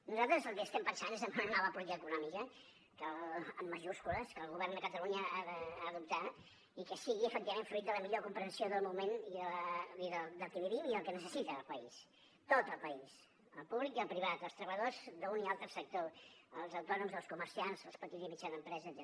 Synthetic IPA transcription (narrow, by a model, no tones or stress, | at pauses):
nuzalˠt̪ɾəzəlˠkəst̪ɛmpənsanezəmbunənɔβəpuiəːkunɔmikə | kələmːəʒuskuləskəlˠɣuβɛrnd̪əkət̪əluɲəaðəaðup̚t̪a | ikəsiɣiəfək̚t̪iβəmeɱfɾuit̪d̪ələmiʎokumpɾənsioðəlˠmumeniðəiðəd̪əlˠkəβiβiwiðəlˠkənəsəsit̪əːlˠpəis | t̪ot̪əlˠpəis | ə̰lˠpuβlikiəlˠpɾiβat̪əlˠst̪ɾəβəʎəðozðəunialˠt̪ɾəsək̚t̪oəlˠzəwt̪ɔnumzðəlˠskuməɾsianzəspət̪id̪zimit͡ʃaðəmpɾɛzəːzɛ